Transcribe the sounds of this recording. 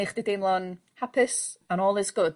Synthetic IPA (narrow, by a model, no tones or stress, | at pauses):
ɪχd̥idemlˠɔn | hapʰɪsanɔːlˠɪzɡ̥ʊd̥